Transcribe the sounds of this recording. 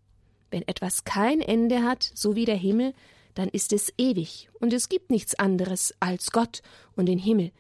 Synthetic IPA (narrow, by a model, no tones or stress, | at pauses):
vɛnʔɛtv̥askʰaɪnʔɛndəɦatz̥oviːɾeːɐɦɪml̩ | d̥anʔɪstɛsʔeːvɪçʊntɛsɡ̥iːp̚tnɪçt͡sʔandəʁəsʔalsɡ̥ɔtʔʊntd̥eːnɦɪml̩